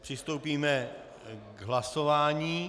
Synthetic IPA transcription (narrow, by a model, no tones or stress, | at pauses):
pr̝̥ɪst̪owpiːmɛ | ɡɦlaso̞vaːɲiː